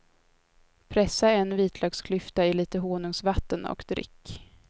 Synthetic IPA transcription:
pʰɾɛsːaɛnːviːt̪ʰlœːkskʰlʏft̪aɪliːt̪əɦoːnɵŋsvat̪ːənɔ̰kd̪ɾɪ̰kː

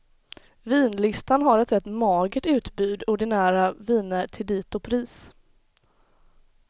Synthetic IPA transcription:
viːnlɪst̪anɦaɾɛt̪ɾɛt̪ːmɑːɡəʈʉ̟ːt̪bʉːd̪ʊɖɪnæːɾaviːnəɾʈʰɪld̪iːt̪ʊpʰɾiːs

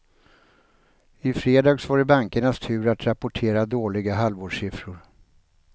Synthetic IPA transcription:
ɪfɾeːd̪ɑːɡsvɑːɾbaŋkəɳast̪ʰʉ̟ːɾat̪ɾapʊʈʰeːɾad̪oːlɪɡaɦalvoːɖʂɪfɾʊɾ

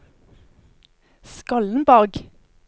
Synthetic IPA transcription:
skɑln̩bɑʁɡ

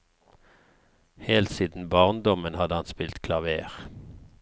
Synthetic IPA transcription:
heːlt̪siːd̪n̩bɑːʁnd̪ɔmənhɑd̪əhɑnspɪlt̪kʰlɑʋeːʁ

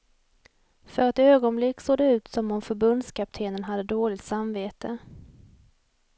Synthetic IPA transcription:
fœɾɛt̪øːɡɔnblɪkːsoːd̪ɛʉ̟ːt̪sɔmɔmfœɾbɵnd̪skʰap̚t̪ʰeːnənɦad̪ːəd̪oːlɪt̪samveːt̪ə

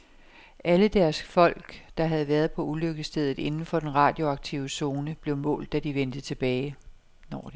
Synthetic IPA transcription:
ʔæləd̥æɐsfɒ̽l̰ɡ̥d̥ɑ̈ɦæð̞̩ˠʋæɐð̩ˠpʰɒ̽ʔuløɡ̥əsd̥eð̞ˠð̩ˠe̝nn̩fɒ̽d̥enʁɑ̈ːd̥jo̝ɑ̈ɡ̥̚t͡sʰiʊəso̝ːnəb̥le̝ʊmɔ̰̽ːld̥ːæd̥iʋend̥ət͡sʰe̝b̥ɛːɪ | nɒ

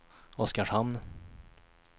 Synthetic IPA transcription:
ɔskaʂhanː

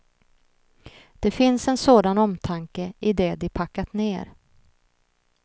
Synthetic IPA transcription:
d̪̥ɛfɪnsɛnsoːd̪anɔmt̪ʰaŋkəʔɪd̪ɛd̪ɪpʰakːat̪neːɾ

